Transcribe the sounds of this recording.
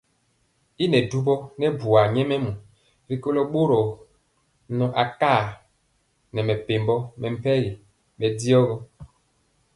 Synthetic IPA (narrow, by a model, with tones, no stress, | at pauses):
i˦nɛ˨du˦bɔ˦nɛ˦bu˨a˨ɲɛ˦mɛ˦mu˨ | ɾi˦ko˦lo˦ɓo˦ɾɔ˨ | nɔ˨ʔa˨ka˦˨ | nɛ˨mɛ˨pe˨mbɔ˦mɛ˨m̩˦pɛ˦ɾi˨ | ɓɛ˨di˦ɔ˦ɣɔ˦